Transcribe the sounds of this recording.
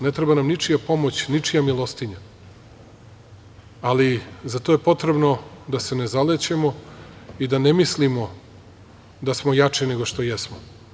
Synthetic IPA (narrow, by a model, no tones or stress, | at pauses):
net̪ɾebanamnit͡ʂijapo̞mot͡ɕnit͡ʂijamilˠost̪iɲa | alizat̪o̞je̞po̞t̪ɾe̞bno̞d̪ase̞nezalet͡ɕemo̞id̪anemislimo | d̪asmo̞jat͡ʂine̞ɡoʃt̪o̞jɛsmo